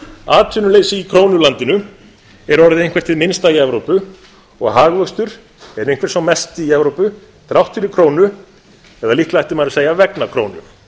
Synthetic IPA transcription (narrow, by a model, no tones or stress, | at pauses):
aːt̪ʰʏnʏleːjsɪikʰɾoːwnʏlant̪ɪnʏ | ɛɾɔɾðɪẽjŋkvɛ̥ɾ̥t̪ʰɪðmɪnst̪ajɛvɾowpʏ | ɔɣɦaɣvœst̪ʏɾ̥ | ɛɾejŋ̥kvɛ̥rt̪sawmɛst̪iiɛvɾowpʏ | θɾawht̪ʏɾikʰɾoːwnʏ | ɛðaliht̪lajht̪ɪmajɾʏseːjavɛknakʰɾownʏ̥